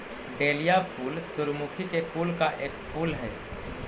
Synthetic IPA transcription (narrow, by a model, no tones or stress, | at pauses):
ɖeːlijapʰuːlsʊɾmukʰikepʰuːlkaʔeːkpʰuːlɦɛ̰ː